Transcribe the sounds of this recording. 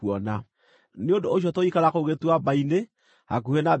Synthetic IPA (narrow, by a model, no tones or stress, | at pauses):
ɔna | neondoːʃ̬ɔtoikaɾakoɣetwabaine | hak̬uhɛna